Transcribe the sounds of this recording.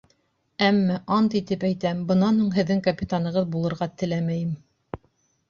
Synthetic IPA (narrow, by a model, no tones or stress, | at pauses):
æmːæʔɑnt̪it̪ɘpæjt̪æmbɤ̆nɑnhuɴɦɘ̆ðːɘŋkɐpʲit̪anɤ̆ʁɤðbulˠɤ̆ɾʁɑt̪ɘ̆læmæjɘm